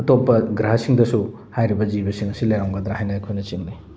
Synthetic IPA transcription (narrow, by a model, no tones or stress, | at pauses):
ɐtopːɐɡɾaɦɐsiŋdɐsu | hajɾibɐd͡ʒibɐsiŋɐsilɐjawŋɡɐd̪ɾahajnɐejkʰojnɐt͡ʃiŋni